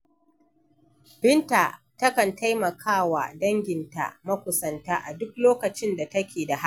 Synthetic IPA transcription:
b̥ɪ˦nta˨tɐ˦kɐ˨ntʰa˦jmɐ˨kʰaː˦˨wa̰˨dɐ˦ŋɡʲɪ˨nta̰˨mɐ˦kʷʊ˨sɐ˨ntaː˦ʔa˨dʊ˦k̚loː˦kɐ˨t͡ʃɪ˦nda˨tɐ˦kʲeː˨da˨ɦa˦˨

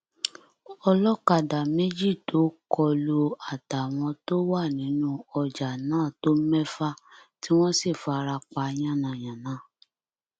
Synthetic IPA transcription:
ɔ˧lɔ˦ka˨da˨me˦d͡ʒi˦˨to˨˦kɔ˧lo˧a˨ta˨w̃ɔ̃˧to˦wa˦˨nĩ˨˦nũ˦ɔ˧d͡ʒa˨nãː˨˦˨to˦m̩˦mɛ˦fa˦ti˦w̃ɔ̃˦si˦˨fo˧a˧ɾa˧k͡pa˧˦j̃ã˦˨nã˨˧˨j̃ã˨nãː˨˦˨

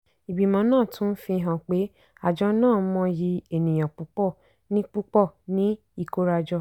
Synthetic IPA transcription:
i˨bi˨mã˨˦nãː˦˨tũ˨˦n̩˦fĩ˧ɦã˨k͡pe˨˦ | a˨d͡ʒɔ˧nãː˦˨˦mɔ̃˧ji˧e˨nĩ˨j̃ã˨k͡pu˨˦k͡pɔ˦˨ | nĩ˦k͡pu˦k͡pɔ˦˨nĩ˨˦ | i˦˨ko˦ɾa˧d͡ʒɔ˧

